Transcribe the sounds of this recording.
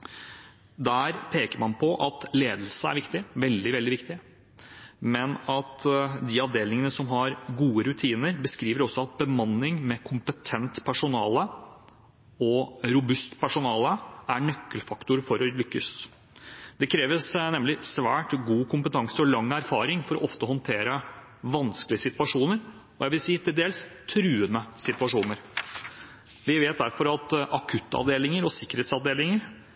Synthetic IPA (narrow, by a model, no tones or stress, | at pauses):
d̪æːɾpʰeːkəɾmɑnpʰɔʔɑt̪leːd̪l̩səæ̰ɾʋɪkt̪ɪʋɛld̪ɪʋɛld̪ɪʋɪkt̪ɪ | mɛnɑt̪d̪iːɑʋd̪eːlɪŋənəsɔmɦɑɾɡuːəɾʉt̪ʰiːnəɾbəskɾiːʋəɾɔsːɔɑt̪̚bəmɑnːɪŋmɛkʰʊmpət̪ʰɛnt̪pʰæʂʊnɑːlə | ɔɾʊbʉst̪pæʂʊnɑːləæɳœkːəlfɑkt̪ʊɾfɔɾɔlʏkːəs | d̪̥ɛkʰɾeːʋəsnɛmːlɪsʋæːʈɡuːkʰʊmpət̪ʰɑŋsəɔlɑŋːæɾfɑːɾɪŋfɔɾɔ̰ʔɔft̪əhɔnt̪ʰeːɾə | ʋɑnskəlɪəsɪt̪ʉɑʂuːnəɾ | ɔjæɪʋɪlsiːt̪ʰɪld̪eːlst̪ʰɾʉːənəsɪt̪ʋɑʂuːnəɾ | ʋɪʋeːt̪̚d̪æɾfɔɾɑt̪ʔɑkʰʉt̪ːɑ̰ʋd̪eːlɪŋəɾɔsɪkːəɾheːt̪sɑʋd̪eːlɪŋəɾ